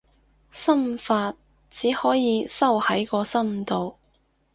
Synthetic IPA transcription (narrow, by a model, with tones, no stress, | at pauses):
sɐ˥mfaː˧t̚ | t͡siː˨˥hɔː˨˥jiː˨˧sɐ˥whɐ˨˥jkɔː˧sɐ˥m̩˨t̪o˧w